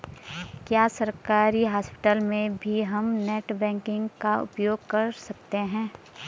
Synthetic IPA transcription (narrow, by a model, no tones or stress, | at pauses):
kjaːsɐɾkaːɾiɦaːspɪ̥ʈəlmẽbʱiɦɐmneːʈbɛ̃ːŋkɪ̃ŋɡkaʊ̰pjoːɡkɐɾsɐkt̪eɦɛ̃ː